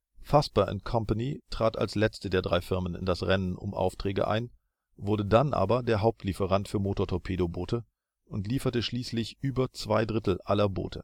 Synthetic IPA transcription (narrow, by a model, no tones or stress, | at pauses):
faspɐʔɛ̰ntkʰɔmpanitʁ̥aːta̰lslɛt͡stədeːɐdʁaɪfɪɐmənɪ̰ndasʁɛnənʊ̰mʔa̰ʊftʁ̥ɛːɡə̰ʔa̰ɪn | vʊɐdədanʔa̰ːbɐdeːɐɦaʊp̚tʰlifəʁantfyːɐmoːtoɐtʰɔɐpʰeːdoboːtʰə | ʔʊntliːfɐtəʃliːslɪçʔyːbɐt͡sv̥aɪdʁɪtl̩ʔalɐbo̰ːtʰə̰